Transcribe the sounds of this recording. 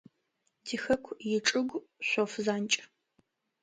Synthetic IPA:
dixɐkʷʰjɪʈ͡ʂʼɨɡʷ | ɕʷofzaːnt͡ʃʼ

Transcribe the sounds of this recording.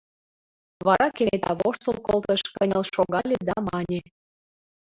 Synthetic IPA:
βɑɾɑkenet̪ɑ̰βo̰ʃt̪olkolt̪ə̆ʃkənʲəlʃoɣɑlʲed̪ɑmɑnʲe

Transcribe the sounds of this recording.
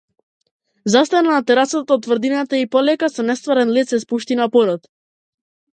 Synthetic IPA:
zast̪anaːt̪ɛɾasat̪aɔt̪ːvrd̪inat̪aipɔlɛkasɔnɛst̪vaɾɛnlit̪sɛspuʃt̪inapɔɾɔt̪

